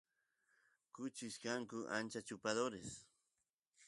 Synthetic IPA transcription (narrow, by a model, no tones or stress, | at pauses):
kʊt͡ʃɪʃkaŋkʊʔa̰nt͡ʃat͡ʃʊpad̪oɾes